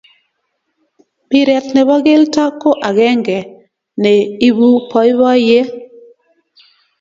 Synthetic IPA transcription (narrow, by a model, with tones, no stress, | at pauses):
pɪ˦ɾɛ˨t̪nɛ˨bɔ˦ɡɪ˦lta˦ko˦ʔa˨ɡɛ˦ŋɡɛ˨ | nɛ˨i˦bu˦pɔ˦ɪ˦bɔ˦je˦